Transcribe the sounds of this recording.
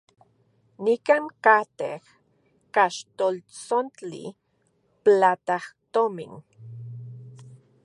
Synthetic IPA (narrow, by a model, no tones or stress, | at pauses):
nikankat̪ḛh | kaʃt̪olt͡sont͡ɬḭ | plat̪aht̪omḭn